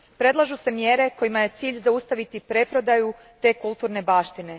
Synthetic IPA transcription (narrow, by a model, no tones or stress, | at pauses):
pɾe̞d̪lˠaʒuse̞mje̞ɾe̞ko̞jimaje̞t̪siːʎʲzaust̪aʋit̪ipɾe̞pɾo̞d̪aju | t̪e̞ːkulˠt̪uːɾne̞baːʃt̪ine̞